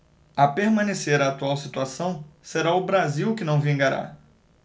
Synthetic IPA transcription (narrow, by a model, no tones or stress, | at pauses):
apeɾmɐ̃neseɾɐːt̪uawsit̪uasɐ̃w̃seɾaʊbɾaziwkɪnɐ̃w̃vĩŋɡaɾa̰